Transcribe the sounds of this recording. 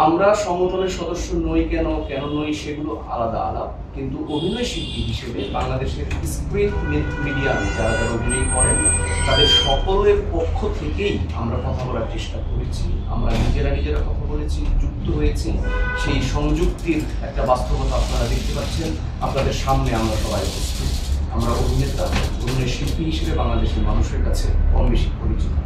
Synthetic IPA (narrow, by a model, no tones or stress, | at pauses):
amɾaʃɔŋod̪ʱoneɾʃɔd̪oʃːonojkɛnokɛnonojʃeɡuloʔalad̪a̰a̰la̰b̚ | kint̪uʔobʱinɔeʃit̪ːiɦiʃebebaŋlad̪eʃeɾskɾiʈmet̪miɖiamd͡ʑaɾataɾobʱinɔjkɔɾent̪abeʃɔkoɾoɾeɾpokʰːot̪ʰekeamɾakɔt̪ʰabɔɾaɾt͡ɕeʃʈakoɾet͡ɕʰia̰mɾanid͡ʑeɾanid͡ʑeɾakɔt̪ʰabolet͡ɕʰid͡ʑuk̚t̪oɦojet͡ɕʰiʃejʃɔŋd͡ʑuɡ̚t̪iɾ | ɛk̚ʈabast̪obɔt̪ʰaapnaɾad̪ek̚ʰt̪epaɾt͡ɕʰen | apnad̪eɾʃamneamɾaʃɔlajekot͡ɕiamɾaobʱinet̪aononeʃilpiɦiʃebebaŋlad̪eʃeɾmanuʃeɾkat͡ɕʰepɔɾmeʃikpoɾit͡ɕit̪o